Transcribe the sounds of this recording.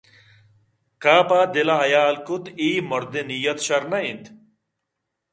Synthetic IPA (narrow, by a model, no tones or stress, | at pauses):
kaːpaːd̪elɐɦɐjaːlkut̪iːmoɾd̪enijɐt̪ɕɐɾnɐint̪